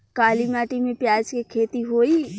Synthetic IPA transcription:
kaːlimaːʈimẽpjaːd͡ʒkekʰeːt̪iɦoːiː

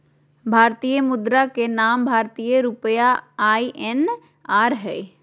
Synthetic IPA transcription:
bʱaːɾt̪ijəmʊd̪ɾakenaːmbʱaːɾt̪ijəɾʊpjaaːiʔɛn | aːɾɦɛː

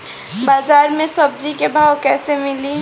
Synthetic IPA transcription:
baːd͡ʒaɾmẽsəb̚d͡ʒikebʱawkɛːsemɪli

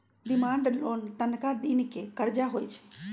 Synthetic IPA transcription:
ɖ̪ɪmãːɳɖloːnt̪ənkad̪iːnikekəɾd͡ʒaɦoːjt͡ʃʰɛ̥

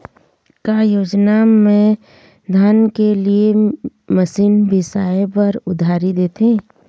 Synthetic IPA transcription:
kajoːd͡ʒnamẽ | d̪ʱaːnkelie | məsiːnbʱɪsaːepɐɾʊd̪ʱaːɾid̪eːt̪ẽː

